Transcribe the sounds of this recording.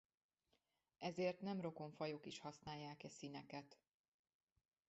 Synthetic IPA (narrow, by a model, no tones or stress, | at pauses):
ɛzeːrt̪nɛmro̞ko̞ɱfɒjokiʃhɒsnaːjːaːkɛsinɛkɛt̪